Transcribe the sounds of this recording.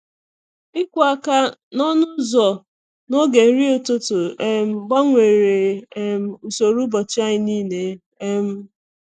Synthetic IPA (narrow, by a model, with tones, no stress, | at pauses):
ɪ˦kʷa˦˨ka˦nɔ˦nʊ˦zɔ˨ | no˦ɡe˨n̩˦ɾi˦o˨to˦to˨e˦m̩˦ɡ͡ba˦ŋʷe˨ɾe˨e˦m̩˨˦u˨so˨ɾu˦bɔ˨t͡ʃa˦ɪ˨niː˦ne˦ | e˦m̩˦